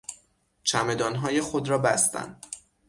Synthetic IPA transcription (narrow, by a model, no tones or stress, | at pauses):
t͡ʃʰæme̞d̪ɒːnɦɒːje̞xod̪ɾɒːbæ̰st̪æ̰nd̪